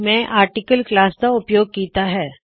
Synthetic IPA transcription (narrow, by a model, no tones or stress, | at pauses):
mɛ̃ːʔaːɾʈɪkəlklaːst̪aʊpjoːɡ̚kiːt̪aɦɛː